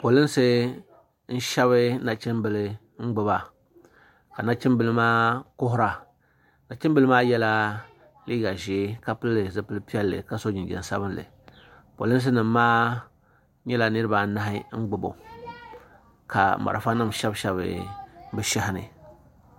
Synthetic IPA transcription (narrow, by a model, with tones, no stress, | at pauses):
po˨lɨ˦n˦sɨ˦ | n̩˦ʃɛ˦βɨ˦na˨t͡ʃɪ˦mbɨ˨lɨ˨ | ŋ͡m̩˦ɡ͡bɨ˦ba˨ | ka˨na˦t͡ʃɪ˦mbɨ˨lɨ˦maː˦kʊ˦ɦʊ˦ɾa˨ | na˨t͡ʃɪ˦bɨ˦lɨ˦maː˦jɛ˦la˦ | liː˦ɡa˨ʒeː˨˦ka˦pɨ˦lːɨ˨zɨ˦pɨ˦lɨ˦pi˦ɛ˦lːɨ̰˨ka˨˦so˦d͡ʒɪ˨nd͡ʒɛ̰˨n˨sa˦bɨ˦nlɨ̰˨ | po̰˨lɨ˦n˦s̬ɨ˦nɨ˨mː˦aː˦ | ɲɛ˦la˨nɨ˦ɾɨ˦ba˨na˦ɦɪ˦ŋ̩˦ɡ͡bɨ˦bo̰˨ | ka̰˨ma̰˨ɾa̰˨fa˦nɨ˦˨m˨ʃɛ˦bʃɛ˦βɨ̰˨˦bɨ˦ʃɛ˦hɪ˦nɨ̰˨